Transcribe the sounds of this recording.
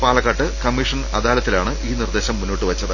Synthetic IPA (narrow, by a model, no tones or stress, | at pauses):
paːlɐkːɐʈːɨkɐmːiʂɐnɐd̪aːlɐt̪ːilaːɳɨʔiːnird̪e̞ːɕɐmːunːoːʈːɨʋɐt͡ɕːɐðɨ